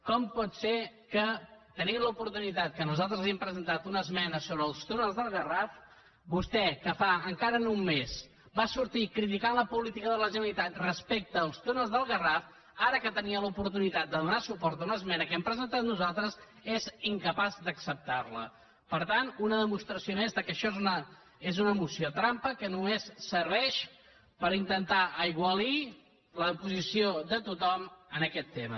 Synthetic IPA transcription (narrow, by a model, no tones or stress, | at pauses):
kɔmpɔt̪seɾkət̪ənilupuɾt̪unit̪at̪̚kənuzalˠt̪ɾəziempɾəzənt̪at̪unəzmɛnəsoβɾəːlˠst̪unəlˠzðəlˠɣəraf | bust̪ɛkəfaəŋkaɾənumːez | basuɾt̪ikɾit̪̬ikanləpulit̪ikəðələʒənəlit̪at̪rəspek̚t̪əːlˠst̪unəlˠzðəlˠɣəraf | aɾəkət̪əniəlupuɾt̪unit̪at̪̚d̪əðunasupɔɾt̪unəzmɛnəkɛmpɾəzənt̪at̪nuzalˠt̪ɾəz | eziŋkəpazd̪əksəp̚t̪arlə̰ | pəɾt̪anunəðəmust̪ɾəsiomɛst̪əkəʃɔezunə | ezunəmusjot̪ɾampəkənumesːəɾβɛʃ | pəɾint̪ənt̪aʔəiɣ̞wəli | ləpuzisioðət̪ut̪ɔmənəkɛt̪ːemə̰